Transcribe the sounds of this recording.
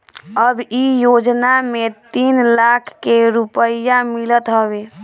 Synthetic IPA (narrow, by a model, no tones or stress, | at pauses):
əbijod͡ʒnamet̪inlakʰkeɾupəjamilət̪ɦəbe